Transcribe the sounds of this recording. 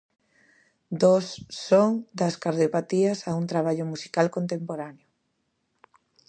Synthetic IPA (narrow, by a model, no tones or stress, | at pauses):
d̪osːoŋd̪ɐskaɾðjopat̪iɐsauŋt̪ɾaβ̞aʎʊmusi̥kalkont̪empoɾaneʊ